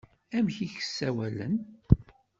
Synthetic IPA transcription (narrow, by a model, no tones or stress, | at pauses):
æmçiçə̥sːæwælə̰n